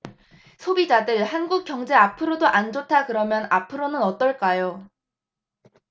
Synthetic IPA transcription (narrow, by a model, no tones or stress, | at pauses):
sʰobid͡ʑadɯɭhanɡuk͈̚jʌŋd͡ʑe̞apʰɯɾodoʔand͡ʑotʰakɯɾʌmjʌnapʰɯɾonɯnʌt͈ʌɭk͈ajo